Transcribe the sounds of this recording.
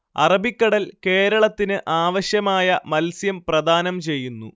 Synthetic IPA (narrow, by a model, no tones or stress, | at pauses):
ɐ̰rɐbikʲːɐɽɐlke̞ːɾɐɭɐt̪ːinɨʔaːʋɐɕjɐmaːjɐmɐlsjɐmprɐd̪ʱaːnɐmt͡ɕe̞jːunːṵ